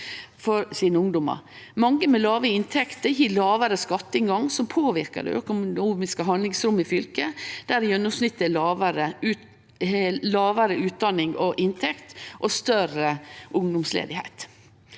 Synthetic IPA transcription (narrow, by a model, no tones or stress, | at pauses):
fɔɾsiːnəʊŋd̪ʊmə̰ɾ | mɑŋːəmɛlɑːʋəɪnt̪ʰɛkt̪əɾjiːlɑːʋəɾəskɑt̪ːəɪŋɡɑŋsɔmpʰoːʋɪɾkə̰d̪ɛ̰œ̰kʊuːmɪskəɦɑnd̪lɪŋsɾʊmːɪfʏlkəd̪̥æɾjɛnːʊmsnɪt̪ːəlɑʋəɾə | lɑːʋəɾəʉːt̪̚d̪ɑnɪŋɔʔɪnt̪ʰɛkt̪ʔɔst̪œɾəʔʊŋd̪ʊmslḛːd̪ɪhæ̰ɪt̪